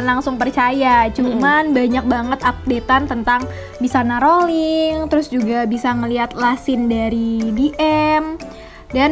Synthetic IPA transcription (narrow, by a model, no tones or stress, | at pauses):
nlaŋsʊŋpərt͡ʃajat͡ʃumanbaɲak̚baŋət̪ap̚det̪ant̪ənt̪aŋ | bisanaɾolɪŋt̪əɾʊsd͡ʒuɡabisaŋəliɦat̪̚lasɪndaɾidiʔɛm | dan